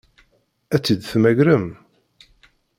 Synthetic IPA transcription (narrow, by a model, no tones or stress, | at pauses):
æt͡sːid̪θmæʝɾəm